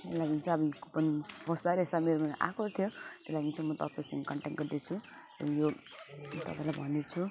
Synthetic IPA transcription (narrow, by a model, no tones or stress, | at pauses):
elaɡint͡sʰuʌbʌjkopʌnipʰoslaɾesameɾomenʔa̰kʰoɾt̪ʰjot̪elaɡint͡sʰumʌt̪ʌ̰pẽsʌ̃ŋɡekʌɳʈekʈɡʌɾd̪et͡sʰu | ʌ̰jo | t̪ʌ̰pãĩlajbʱʌnd̪et͡sʰu